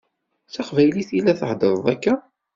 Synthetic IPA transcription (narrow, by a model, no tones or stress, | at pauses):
θæqvæjliθilːæθəhd̪əɾˤðˤækːæ